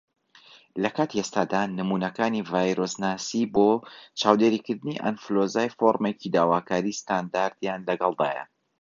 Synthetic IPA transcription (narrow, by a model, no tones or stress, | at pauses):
lɐkaːt̪iest̪aːd̪anɨmuːnɐkaːnivaːjɾosnaːsibot͡ʃaːwd̪eɾikɨɾd̪ɨniʔa̰nflozaːjfoɾmecid̪aːwaːkaːɾiːst̪and̪aːɾt̪janlɐɡɐlˠd̪a̰ːjɐ̰